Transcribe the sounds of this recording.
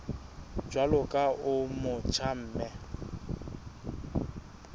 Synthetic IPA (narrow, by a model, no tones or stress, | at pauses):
d͡ʒwalʊkʼaʊmʊt͡ʃʰam̩ːmɛ